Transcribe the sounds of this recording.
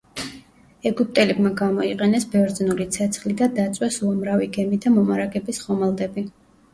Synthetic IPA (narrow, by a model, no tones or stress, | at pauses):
ɛɡup̚t̪ʼɛliɡmaɡamɔiqʼɛnɛsbɛvɾd̪znulit̪sʰɛt̪sʰχlid̪ad̪at̪sʼwɛsuamɾaviɡɛmid̪amɔmaɾaɡɛbisχɔmalˠd̪ɛbi